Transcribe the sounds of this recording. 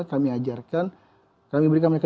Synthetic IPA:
kamiad͡ʒarkan | kamibəɾikanmeka

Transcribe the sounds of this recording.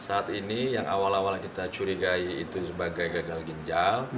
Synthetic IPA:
saːt̪inijaŋʔa̰walawalkit̪at͡ʃuɾiɡaiːt̪usəbaɡajɡaɡalɡəɲd͡ʒal

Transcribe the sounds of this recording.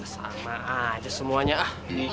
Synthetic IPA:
sa̰maːd͡ʒasəmuaɲaa

